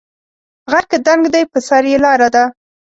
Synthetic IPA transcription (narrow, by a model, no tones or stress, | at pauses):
ɣaɾkad̪aŋɡd̪ajpəsaɾjelɑɾad̪a